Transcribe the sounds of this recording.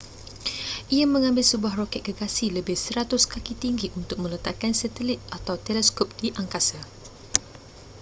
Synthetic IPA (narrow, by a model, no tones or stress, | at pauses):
ʔiamə̃ŋãmbɪlsəbuahrokɛt̪̚ɡəɡasiləbɪhsəɾat̪ʊskakit̪iŋɡiʔunt̪ʊk̚mə̃lət̪aʔkansɛt̪əlit̪̚at̪awt̪ɛlɛskɔp̚d̥iʔaŋkasa